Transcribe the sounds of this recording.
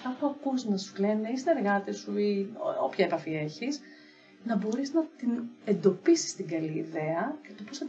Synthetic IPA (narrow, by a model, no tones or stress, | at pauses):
kɐpuɐkuznɐsule̞ne̞isine̞ɾɣɐt̪esuiopçɐepɐfie̞çiz | nɐbo̞ɾiznɐt̪ine̞nd̪o̞pisi̥st̪iŋɡɐliːðeɐce̞t̪o̞posɐ